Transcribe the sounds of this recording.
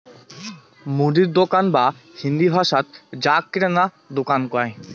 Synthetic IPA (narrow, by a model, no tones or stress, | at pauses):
muɖ̪iɾd̪okanbahind̪ibʱaʃat̪d͡ʑakːiɾana | d̪okankɔe